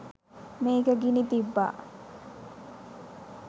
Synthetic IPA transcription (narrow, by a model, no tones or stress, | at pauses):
meːɡəɡinit̪ibːa̰ː